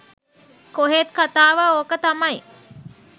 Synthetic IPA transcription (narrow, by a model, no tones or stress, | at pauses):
koɦet̪kat̪aːʋəoːkət̪amaj